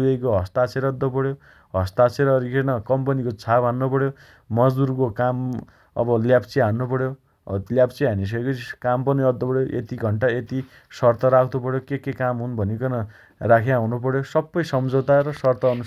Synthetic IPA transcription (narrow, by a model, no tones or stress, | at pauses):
ejkoɦʌst̪at͡sʰeɾʌd̪ːʌpʌɽjo | ɦʌst̪at͡sʰeɾʌːɾikʰenʌkʌmpʌnikot͡sʰabʱɦanːopʌɽjoː | ʌd͡zd̪urkokam | ʌ̰bʌljapt͡siɦanːupʌɽjo | ljapt͡siɦanis̬ʌkʌkampʌniʌd̪ːʌpʌɽjoʔḛt̪iɡʱʌɳʈaet̪i | sʌrt̪ʌɾakʰt̪opʌɽjokekekamɦunbʱʌnikʌnʌ | rakʰeawnupʌɽjosʌbːʌjsʌmd͡zowt̪aɾʌsʌrt̪ʌːnu